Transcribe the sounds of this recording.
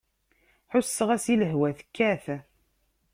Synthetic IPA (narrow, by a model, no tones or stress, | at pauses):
ħʊsːəʁæsiləɦwæθkːæθ